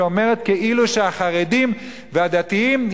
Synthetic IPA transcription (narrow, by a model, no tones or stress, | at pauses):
ome̞ʁet̪keʔiluʃeaχaʁedim | vead̪at̪iim